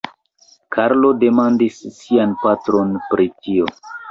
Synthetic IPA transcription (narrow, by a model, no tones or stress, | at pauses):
kʰaɾlo̞de̞mandisːianpatɾo̞npɾʔitio̞